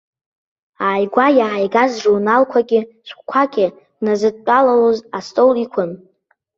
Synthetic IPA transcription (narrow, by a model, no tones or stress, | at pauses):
aːjɡʷajaʕajɡazʐurnalkʷʰaɡʲɪ | ʃʷχʷkʷʰaɡʲʼɪ | nazɨtʼt͡ʃʼalalozastʼowlikʷʰʊn